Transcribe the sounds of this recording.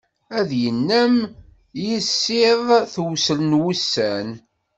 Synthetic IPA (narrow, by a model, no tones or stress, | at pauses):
æðjənːæm | jisːɪðˤθwsələnwusːæn